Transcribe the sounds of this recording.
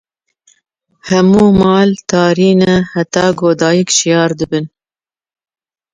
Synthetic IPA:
hɐmuːmɑːlt̪ɑːɾiːnɛhæt̪ɑːɡoːd̪ɑːjikʃijɑːɾd̪ɨbɨn

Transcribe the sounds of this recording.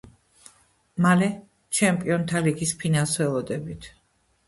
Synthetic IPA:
malɛ | t͡ʃʰɛmpʼiɔnt̪ʰaliɡispʰinalˠsvɛlˠɔd̪ɛbit̪ʰ

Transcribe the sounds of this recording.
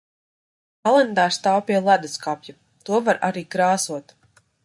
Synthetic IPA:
kalˠɛnd̪aːɾst̪awpʲiɛlˠad̪askapʲja | t̪uɔvaɾa̰ɾiːkɾaːsuɔt̪

